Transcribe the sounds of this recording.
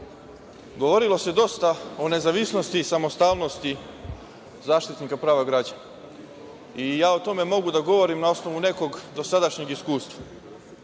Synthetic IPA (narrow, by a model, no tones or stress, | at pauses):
ɡo̞ʋo̞ɾilˠo̞se̞d̪o̞st̪ao̞ne̞zaʋisno̞st̪isamo̞st̪aːʋno̞st̪i | zaːʃt̪it̪nikapɾaːʋaɡɾaːd͡ʑana | ijaːo̞t̪o̞me̞mo̞ɡud̪aɡo̞ʋo̞ɾimnao̞sno̞ʋune̞ko̞ɡd̪o̞sad̪aʃɲeɡiskuːst̪ʋa